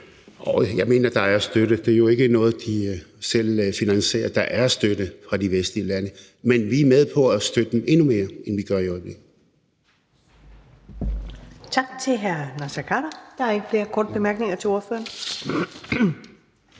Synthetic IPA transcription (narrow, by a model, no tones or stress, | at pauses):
ʔɒjɑ̈ɪme̝̰ːnɐd̥ɑ̈æɐsd̥øɾ̥əd̥e̝ɐjo̝e̝ɡ̥ənɔ̽ːð̞̩ˠd̥isel̰finænse̝̰ːɐd̥ɑ̈ʔæɐsd̥ødəfʁɑ̈d̥iʋesd̥liəlænə | menʋiæɐmeð̞ˠpʰɒ̽æsd̥ød̥ə̥eme̝nume̝ːɐenʋiɡ̥ɶɐiɒ̽ɪb̥le̝ɡ̥l̩ | t͡sʰɑ̈ɡ̥̚t͡sʰe̝lɦæɐnɑsækʰɑɾ̥ɐd̥ɑæe̝ɡ̥əfle̝ːɐkʰɒːd̥̚b̥e̝mæɐɡ̥ne̝ŋɐt͡sʰe̝o̝ɐfø̰ːɐn